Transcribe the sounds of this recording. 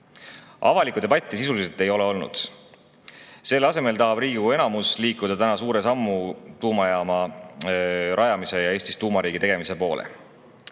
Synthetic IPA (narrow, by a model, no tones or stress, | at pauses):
ʔɑ̰vɑlikˑud̪e̞bɑt̪ʲˑːisisuliselt̪e̞jo̞le̞o̞lnṵd̪̥ | se̞lɑse̞me̞lt̪ɑɦɑb̥riːɡikue̞nɑmusliːkud̪̥ɑt̪ænɑsuːɾe̞sɑmːut̪uːmɑjɑmɑ | ɾʔɑjɑmise̞jɑe̞ːsʲt̪ist̪uːmɑɾiːɡ̥it̪e̞ɡ̥e̞mise̞po̞ːlʔḛ